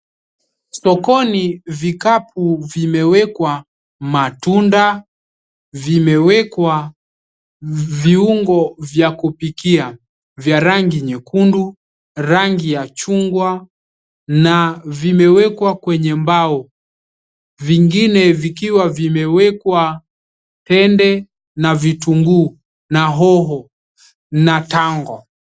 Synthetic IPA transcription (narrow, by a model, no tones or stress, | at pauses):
sɔkɔnivikap̚ʰuvimɛwɛkwa | matunda | vimɛwɛkwa | viuŋɡɔvjakupikia | vjaɾaŋɡiɲɛkundu | ɾaŋɡijat͡ʃuŋɡwa | navimɛwɛkwakwɛɲɛmbaɔ | viŋɡinɛvikiwavimɛwɛkwa | tɛndɛ | navituŋɡuː | naɦɔɦɔ | nataŋɡɔ